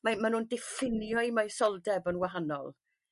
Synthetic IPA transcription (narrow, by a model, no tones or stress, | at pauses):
mamanuːndɪfɪnjɔmajsɔlˠdɛbənwaɦanɔ̰lˠ